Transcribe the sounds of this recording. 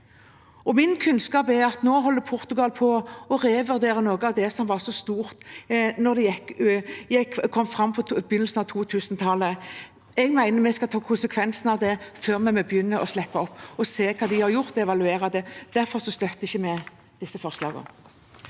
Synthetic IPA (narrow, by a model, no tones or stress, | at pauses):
ɔmɪnkʰʉnskɑːpɛɾɑt̪noːɦɔlːəpʰʊɾt̪ʉɡɑlpʰɔɔʁeːʋʉɾd̪eːɾənoːɡəɑʋd̪ɛsɔmʋɑʁsɔst̪uːɾt̪nɔɾd̪ɛjɛkːjɛkʰːɔmːfɾɑmːpʰɔbjʏnəlsn̩ɑʋt̪ʰuːt̪ʰʉːsnt̪ʰɑlːə | ɛɡmæɪnəmɛskɑt̪ʰɑːkʰʊnsəkʰʋɛnsnɑʋd̪ɛføːʁmɛmɔbjʏnːəʔɔslɛpːɑɔpːɔseːkʰɑːd̪ɪhɑɾjʊɾt̪ɔɛʋɑlʉeːɾɑd̪ɛd̪̥æɾfɔɾsɔst̪œt̪ːəɪçːəmɛ | d̪̥ɪsːəfɔʁslɑ̰ːɡə̰